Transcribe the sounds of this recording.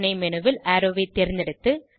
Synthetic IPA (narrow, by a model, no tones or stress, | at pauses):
nɐɪmɛnɯʋɪlɐɾoʋɐɪt̪ːɛɾɪnd̪ɛɽɯt̪ːɯ